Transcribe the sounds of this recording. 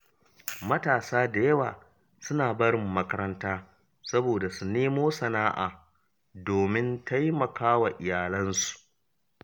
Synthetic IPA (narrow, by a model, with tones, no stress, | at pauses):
mɐ˦taː˨saː˦da˨jɐ˦waː˨ | sʊ˦naː˨bɐ˦ɽɪ˨mːɐ˦kɐ˦ɾɐ˦ntaː˦ | sɐ˦boː˨da˨su˨neː˦moː˦sɐ˨naː˦ʔaː˨ | doː˨mɪ˦nta˦jmɐ˨kaː˦wa˨ʔɪ˨jaː˨lɐ˦nsu̥˨ʔ